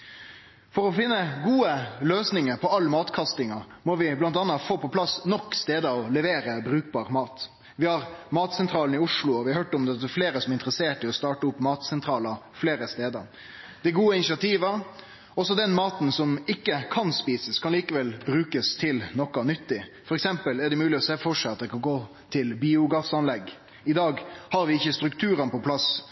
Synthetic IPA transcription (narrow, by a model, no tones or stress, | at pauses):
fɔɾɔfɪnːəɡuːəløːsnɪŋəɾpʰɔɑlːəmɑːt̪kʰɑst̪ɪŋɑmɔʋɪblɑnt̪ɑnːɑfoːpɔpʰlɑsnɔkːst̪eːd̪əɔlɛʋeːɾəbɾʉːk̚bɑːɾmɑːt̪ | ʋɪhɑɾmɑːt̪sɛnt̪ʰɾɑːln̩ɪʊʂɭʊɔʋɪhɑhøːʈɔmd̪ɛt̪ɛfleːɾəsɔmɛɪnt̪əɾəseːʈɪɔst̪ɑːʈəʊpːmɑːt̪sɛnt̪ʰɾɑːlɑ | fleːɾəst̪eːd̪ə̰ɾ | d̪̥ɛɡuːəɪnɪsɪɑt̪ʰiːʋə | ɔsɔd̪ɛnmɑːt̪n̩sɔmɪkːəkʰɑnspiːsəskʰɑnliːkəʋɛlbɾʉːkəst̪ʰɪlnɔkːɑnʏt̪ːɪfɔɾɛksɛmpəlɛɖɛmʉːlɪɔseːfɔʂɛɑt̪̚d̪ɛkʰɑnɡoː | t̪ʰɪlbiːʊɡɑsɑnlɛɡ | ɪd̪ɑːɡhɑɾʋɪɪçːəst̪ɾʉkt̪ʰʉːɾənpɔpʰlɑs